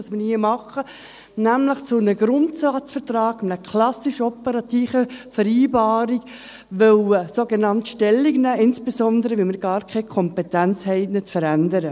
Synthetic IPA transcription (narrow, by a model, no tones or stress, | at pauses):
ɑsmɪɾhiəmɑχə | næmləχt͡sʊnəɡɾʊntsɑːt͡sfəɾtrɑːɡ̥mnəkʰlɑsiʃɔpəɾɑt̪iːfəfəɾiːbɑːɾik | ʋœwsoːɡenɑntʃtɛlːiknæːʔɪnsb̥esɔndəɾəʋilmɪɾɡ̥ɑːɾkʰɛɪkʰɔmpɛtænt͡shɛɪnɪt͡sfəɾændəɾə